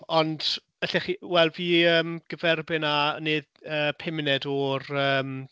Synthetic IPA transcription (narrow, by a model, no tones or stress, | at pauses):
ɔnd | əɬɛχiwɛlˠviːəːmɡ̥əvɛrbɪnaneːð | əːpʰɛmnɛdɔrəːm